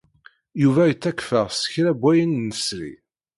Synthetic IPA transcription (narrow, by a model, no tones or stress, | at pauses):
juvæjət͡sːækfəʁsə̥çɾæbʷːæjənːəsɾḭ